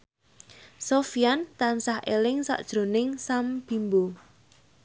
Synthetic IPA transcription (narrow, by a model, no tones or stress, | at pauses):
sofijant̪ansahʔelɪŋsa̰ʔd̥ʒ̥ɾo̤nɪŋsamb̥i̤mbo